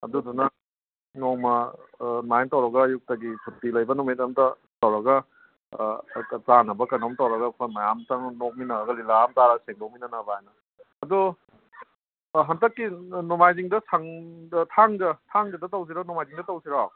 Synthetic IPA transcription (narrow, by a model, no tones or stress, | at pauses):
ɐ̰dudɔnɐ | noŋmɐnajntɐwɾɐɡɐjuk̚tɐɡipʰutːilɐjbɐnumitɐmtɐ | tɐwɾɐɡɐ | t͡sanɐbɐkɐnomtɐwɾɐɡɐkʰajmɐjamtɐŋnok̚minɐɾɐɡɐlilaːmtaɾɐseŋdowminɐnɐbajnɐ | ɐdu | ɦɐndɐkːinumajziŋdɐsʰaŋdɐtʰaŋdɐtʰaŋdɐdɐtaws̬iɾanumajziŋdɐtɐwsiɾaaw